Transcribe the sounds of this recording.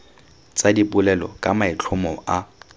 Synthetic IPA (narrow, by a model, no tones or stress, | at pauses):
t͡sʼadipʊlɛlɔ̰kʼamaɪt͡ɬʰʊmɔʔa